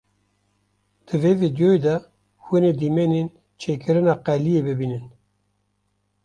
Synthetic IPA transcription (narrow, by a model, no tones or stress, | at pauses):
d̪̥ɨvevid̪joed̪ɛ | xɨneːd̪imɛnen | t͡ʃʰeːkɨɾɨnɑːqɛlijeːbɨbiːnɨn